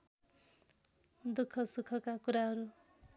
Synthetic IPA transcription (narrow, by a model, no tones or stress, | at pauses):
d̪ukʰːʌsukʰʌkakuɾaɦʌɾu